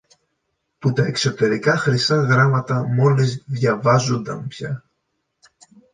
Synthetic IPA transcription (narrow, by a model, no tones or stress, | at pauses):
put̪ɐe̞kso̞t̪e̞ɾikɐxɾisɐɣɾɐmɐt̪ɐmo̞lizðʝɐvɐzond̪ɐmpçɐ